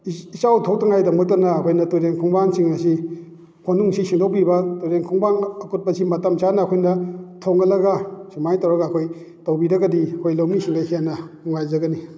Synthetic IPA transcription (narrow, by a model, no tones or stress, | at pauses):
isawtʰowtʰaŋajdaŋmɐk̚tɐnɐːkʰojnɐtuɾeŋkʰuŋbaŋsiŋɐsi | kʰonuŋsisiŋdok̚bibɐtuɾeŋkʰuŋbaŋɐkut̚pɐsimɐtɐmsanɐːkʰojnɐtʰoŋɡɐlɐɡɐsumajtawɾɐɡaːkʰoj | tɐwbiɾɐɡɐdiɐkʰojlowmisiŋɡajhʰianɐuŋajzɐɡɐni